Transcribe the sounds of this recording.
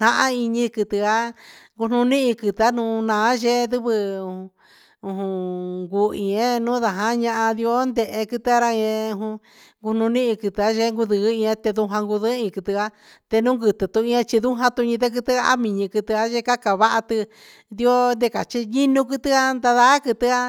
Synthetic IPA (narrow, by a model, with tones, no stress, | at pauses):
nã˧ʔã˦i˧ɲĩ˧kɨ˧t̪ɨ˧a˦ŋɡu˧nũ˧nĩ˦ʔĩ˧kɨ˧t̪a˦nũː˧nãː˨˦ʒe˦ðɨ˦βɨ˧ũ˧ | ũ˧ɦũ˧ŋɡu˧ĩ˨ẽ˦nũː˦ða˨ɦã˦ɲã˧ʔã˧ði˧o˦nd̪e˧˨ʔe˧kɨ˧t̪ɨ˧a˧ɾa˦˧ĩ˧ẽ˧ũ˧ɦũ˧ | ŋɡu˧nũ˧nĩ˦ĩ˧kɨ˧t̪ɨ˧a˦ʒe˦ŋɡu˧ðɨ˧˨˦ĩ˧ẽ˧t̪e˧ðu˧ɦã˧ŋɡu˧ðɨ˦ĩ˧kɨ˧t̪ɨ˧a˦ | t̪e˧nũ˦ŋɡɨ˧t̪ɨ˨t̪u˧ĩ˧ẽ˧t͡ʃi˧ðu˦ɦã˧t̪u˧ɲĩ˧ðe˦k̬ɨ˧t̪ɨ˦a˧a̰˦mĩ˧ɲĩ˧kɨ˧t̪ɨ˧a˦ʒe˦ka˦ka˨βa˦ʔa˧t̪ɨ˧ | d̪i˧o˦nd̪e˧ka˨t͡ʃi˧ɲĩ˦nũ˧kɨ˧t̪ɨ˦a˦nd̪a˧ða˦kɨ˧t̪ɨ˦˧a˦